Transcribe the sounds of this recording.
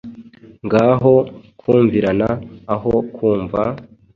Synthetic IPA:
ŋɡaːɦo̞kʰuːɱviɾanaːɦo̞kuːɱva

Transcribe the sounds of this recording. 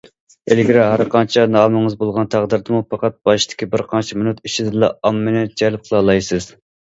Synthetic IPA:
elɡʲiɾɪɦæɾqɑnt͡ʃʰɛnɑːmɨŋɨzbolˠʁɑnt̪ʰæʁd̪ɪɾd̪ɨmupɑqɑt̪̚b̥ɑʃɨd̪̥ɪ̥kʲibɪɾqʰɑnt͡ʃʰimɪnut̪iʃid̪ɨlˠɑ̰ɑmːɨnɪd͡ʒɛlp̚qʰəlˠɑlˠɑjsɨz̥

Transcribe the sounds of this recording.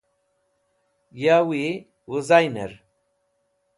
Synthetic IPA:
jawi | wuzajnḛɾ

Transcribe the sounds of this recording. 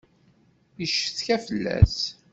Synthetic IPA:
jəʃθçæfəlːæ̰s

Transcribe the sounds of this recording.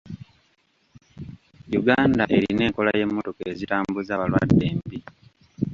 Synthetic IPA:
juɡaːndaʔe̞ɾine̞ːŋko̞laje̞mːo̞to̞ke̞zitaːmbuzaːβalwa̰dːe̞ːmbi

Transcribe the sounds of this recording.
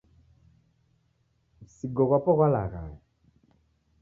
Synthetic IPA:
siɡɔɣapɔɣwala̰ɣaji

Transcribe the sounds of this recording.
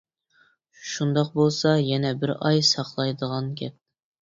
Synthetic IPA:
ʃund̪ɑqbolˠsɑjɛnɛbɪɾɑjsɑqlˠɑjd̪əʁɑnkʲʰɛp̚

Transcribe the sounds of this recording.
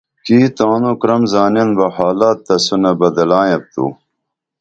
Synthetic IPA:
kiːt̪aːnukɾɐmzaːnenbɐhaːlaːt̪ːɐsunɐbɐd̪ɐlaːjɐp̚t̪ṵ

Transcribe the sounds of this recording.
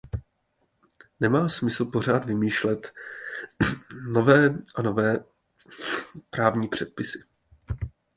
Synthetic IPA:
nɛmaːsmɪsl̩po̞r̝aːd̪vɪmiːʃlɛt̪ | no̞vɛːʔano̞vɛː | pɾaːvɲiːpr̝̥ɛt̪̚pɪsɪ̥

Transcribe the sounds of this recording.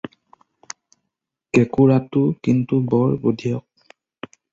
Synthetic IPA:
kɛkuɹatʊkintubɔɹbodʱijɔk̚

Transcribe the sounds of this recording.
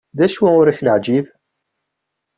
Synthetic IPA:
ðæʃwæʊɾiçləʕd͡ʒiv

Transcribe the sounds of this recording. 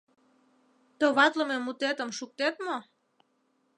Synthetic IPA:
t̪oβɑt̪ləmemut̪et̪ə̆mʃuk̚t̪et̪mo

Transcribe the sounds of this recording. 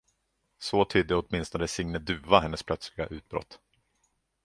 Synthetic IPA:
sot̪ʰyːd̪ːəɔt̪mɪnst̪ɔnəsɪŋnəd̪ʉ̟ːvaɦɛnːəspʰlœt̪slɪɡa̰ʔʉ̟ːt̪̚bɾɔ̰t̪ː

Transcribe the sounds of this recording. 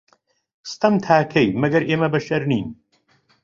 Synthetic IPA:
st̪ɐmt̪ʰaːkʰɐjmɐɡɐɾʔeːmɐbɐʃɐɾniːn

